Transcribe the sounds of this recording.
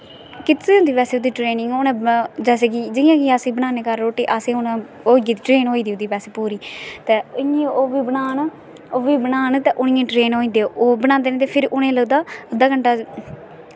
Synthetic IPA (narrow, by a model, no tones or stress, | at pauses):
kɪt̪seːʊ̃nd̪iːbɛːseːʊd̪iːʈɾeːnɪ̃ŋɡoːnẽːd͡ʒɛːseːkiːd͡ʒɪjãːkiasĩːbənãːneːkəɾɾoːʈiːʔaːsẽːʊnã | oːiɡiːt̪iʈɾeːnɦoːiːd̪iːʊd̪iːpɛːseːpuːɾiːt̪eːʊẽoːʋiːbənaːn | oːʋiːbənaːnt̪eʔʊnĩjẽːʈɾeːnɦoːĩːd̪eːoːbənaːnd̪eːnẽːt̪eːpʰɪɾʊnẽːləɡd̪aːəd̪aːkəɳʈaː